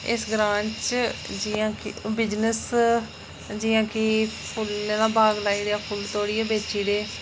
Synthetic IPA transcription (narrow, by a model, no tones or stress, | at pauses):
ɪ̰sɡɾãːɲt͡ʃd͡ʒiːãːkbɪd͡ʒnəs | d͡ʒiːãːkɪpʰʊlneːd̪aːbaːɡlaːiːɽeaːpʰʊlt̪oːɽiːaːbeːt͡ʃiːɽeː